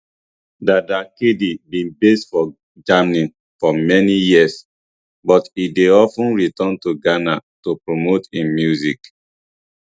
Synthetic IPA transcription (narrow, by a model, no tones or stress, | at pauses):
dadakedibĩnbestfɔ | d͡ʒamnĩn | fɔmɛnijiəs | bɔtideɔfũnɹitɔ̃ntuɡanatopɹomotĩmjuzik